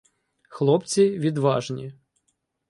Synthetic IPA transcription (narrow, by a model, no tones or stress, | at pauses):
xlˠɔpt͡sʲiʋʲid̪ʋɑʒnʲi